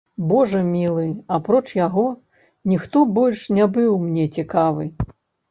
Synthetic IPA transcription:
bɔʐɐmʲilˠɨapɾɔt͡ʂjaɣɔ | nʲixt̪ɔbɔlʲʂnʲabɨwmnʲɛt͡sʲikavɨ

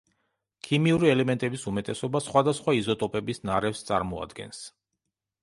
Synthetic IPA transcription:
kʰimiuɾiɛlɛmɛnt̪ʼɛbisumɛt̪ʼɛsɔbasχwad̪asχwaizɔt̪ʼɔpʼɛbisnaɾɛfst̪sʼa̰ɾmɔa̰d̪ɡɛ̰ns

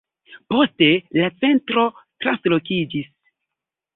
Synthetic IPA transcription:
po̞ste̞lat͡se̞ntɾo̞tɾanslo̞kid͡ʒis

